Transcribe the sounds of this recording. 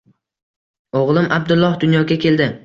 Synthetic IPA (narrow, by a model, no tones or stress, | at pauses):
oʁlˠɪmab̚d̪ʊlˠːɒhd̪ʊnjɒɡʲakʲʰe̞ld̪ɪ